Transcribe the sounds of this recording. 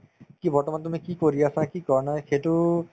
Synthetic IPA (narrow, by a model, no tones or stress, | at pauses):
kibɔɹʈɔmant̪umikikoɾiasakikɔɹnajxetu